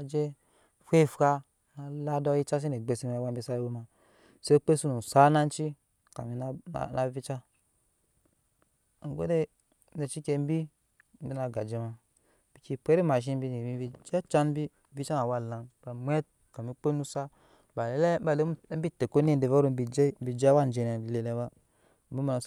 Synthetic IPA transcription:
a˨d͡ʒe˦ | fe˦˨fka˧ | na˨la˦dɔ˦ji˦t͡ʃa˦s̬i˦ne˨ɡ͡be˨si˧˦m˧a˨wa˦m˦bi˧˦sa˦wo˧ma˨ | se˦k͡pe˦su˦nu˨sa˦na˦n˦t͡ʃi˦ | ka̰˨mi˨˦n̰˦˨na˨˦vi˦t͡ʃa˦˨ | ŋ̩˨ɡo̰˦de˦ | ne˨t͡ʃi˦ke˧m̩˦bi˦ | m̩˦bi˦na˨ɡa˨d͡ʒi˨˦ma˨ | b̥i˨ki˧pʷe˦ɾi˦ma˨ʃ̬i˦m˦bi˧ni˨mi˦bi˧d͡ʒa˦t͡ʃa˦n˦bi˦vi˦t͡ʃa˦na˨wa˦˨lã˨ba˨mʷ˦e˦t̚ | ka˨mi˨k͡pe˦nu˦sa˦ | ba˨le˦le˦ba˦˨le˦m̩˦bi˦te˨ko˦n˦e˦˨n˦de˨va˦ɾo˧m˦bi˧d͡ʒe˦m̩˦bi˨d͡ʒa˦wa˦n˦d͡ʒe˨ne˨le˨le˧˦ba˦ | m̩˦bi˦mi˨na˨

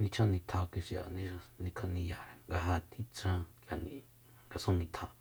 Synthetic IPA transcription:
nĩ˧t͡ʃʰã˦nĩ˧t̪ʰa˧ki˧ʂa̰˨nĩ˦ʃa˧nĩ˧kʰõ˧nĩ˧ja˨ɾe˨ŋɡa˧ɦa˧t̪ʰi˦t͡sã˧kja˨nḭ̃˨ | ŋɡa˧sõ˦nĩ˧t̪ʰã˧˨

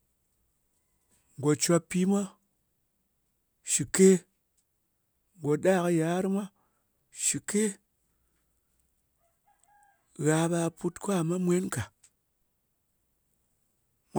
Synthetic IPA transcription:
ŋ˨ɡo˨t͡ʃʷa˧pːi˦mʷa˦ | ʃi˨ke˦ | ŋ˨ɡo˨ɗaː˦˨kɨ˧ja˨˦ɾɨ˦mʷa˦ | ʃi˨ke˦ | ɣa˨˧ɓa˧pu˧tkʷa˦˨ma˦mʷe˦nka˨ | m

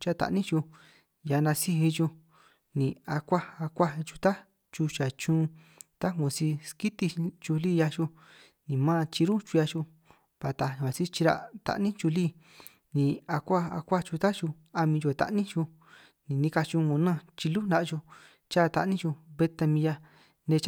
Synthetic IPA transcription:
t͡ʃa˦˧t̪a̰˨ʔnĩ˦t͡ʃu˧ | ja˧nã˧si˧ɦi˧t͡ʃu˧ | nĩ˨a˧kʷa˦a˧kʷa˦˧t͡ʃu˧t̪a˦ | t͡ʃu˧t͡ʃa˨t͡ʃũː˦˧ | t̪a˦ŋõ˧˨si˧ski˦t̪i˧t͡ʃu˧liː˦˨ja˧t͡ʃu˧ | nĩ˨mãː˦˧t͡ʃi˧ɾu˦t͡ʃu˧ja˧t͡ʃu˧ | pa˨t̪ã˧a˨si˦t͡ʃi˧ɾa̰˧t̪a̰˧˨nĩ˦t͡ʃu˧liː˦ | nĩ˨a˧kʷa˦a̰˧kʷa˦t͡ʃu˧t̪a˦t͡ʃu˧ | a˧mĩ˧t͡ʃu˧e˧t̪a̰˧ʔnĩ˦t͡ʃu˧ | nĩ˨nĩ˧ka˧t͡ʃu˧ŋõ˧nã˦˧˨t͡ʃi˧lu˦nd̪a˧ʔt͡ʃu˧ | t͡ʃa˦˨˧t̪a̰˧ʔnĩ˦t͡ʃu˧βe˧t̪a˧mĩ˧ja˧ | nẽ˧t͡ʃ

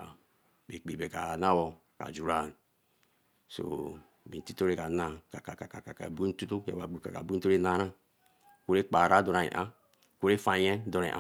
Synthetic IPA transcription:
be˨k͡pi˨be˨ka˨na˦wɔ˨ | ka̰˨d͡ʒu˨ɾa˦˨n˨ | so̰˨ | mi˨n˨ti˦to˦ɾe˨ka˨na˨ka˨ka˨ka˨ka˨ka˨ka̰˨bu˦tu˦to˦ḛ˨a˨ɡ͡bu˨ka̰˨ka̰˨bu˦to˦ɾe˦na˨˦ɾa˦ | ko˦ɾe˦k͡pa˨ɾa˦do˨ɾa˨nḭ˨ʔa˦ | ko˦ɾe˦fa˨jɛ˦dɔ˨ɾḛ˨ʔa˦

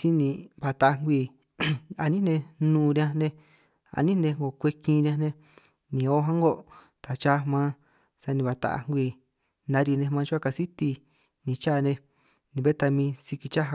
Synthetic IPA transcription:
si˦nĩ˧˨βa˨t̪a˧ʔa˧ŋɡʷi˧˨ | a˧nĩ˦nẽ˧nũː˧˨˧ɾi˧ã˧nẽ˧ | a̰˧˨nĩ˦nẽ˧ŋɡo˨kʷe˧kĩ˧ɾi˧ã˧nẽ˧ | nĩ˨o˦ɦã˦ŋɡo˧˨ | t̪a˨t͡ʃa˦mã˦ | sa˧nĩ˧βa˨t̪a̰˧˨a̰˧ŋɡʷiː˧˨ | nã˧˦ɾi˧nẽ˧mãː˧t͡ʃu˦a˦˧ka˧si˦t̪i˧ | nĩ˨t͡ʃa˦˨˧nẽ˧ | nĩ˨˧βe˦t̪a˧mĩː˧si˧ki˧t͡ʃa˦ɦa˧

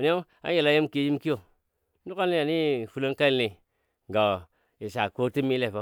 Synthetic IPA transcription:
ni˦o˦ | a̰˦je˨la˦je˦mki˦ji˦mki˦o˨ | nu˦ka˦ni˦a˨ni˦˨fu˦lo˦nka˦i˦ni˨ | ŋ˨ɡa˨ | i˨sa˨ko˦ti˦mi˦le˦˨fo˦

